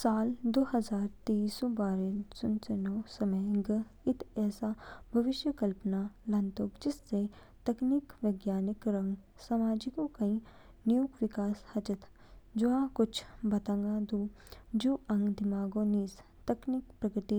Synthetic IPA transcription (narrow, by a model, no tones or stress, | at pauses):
saːld̪oːɦɐzaːɾt̪eisobaːɾesʊnsɐnoːsɐməjɡə | ɪt̪ɛːsabʱɐʋɪʃjəkɐlpənaːlɐ̃nt̪oːkd͡ʒɪsːe | t̪ɐknikʋeɡjaːnɪkɾɐ̃ŋɡ | samaːd͡ʒɪkokɐĩ | nijukʋɪkaːshɐt͡ʃɐt̪ʰ | d͡ʒoãkʊt͡ʃʰbɐt̪ãŋɡaːd̪uː | d͡ʒuːʔɐ̃ŋɡd̪ɪmaːɡoːniːs | t̪ɐknikpɾɐɡəʈ̪i